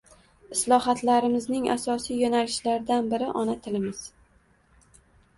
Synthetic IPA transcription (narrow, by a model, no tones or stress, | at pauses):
ɪslˠɒhat̪laɾɪmɪznɪŋa̰sɒsijjonalɪʃlaɾd̪anbɪɾɪʔɒnat̪ʰɪlɪmɪz̥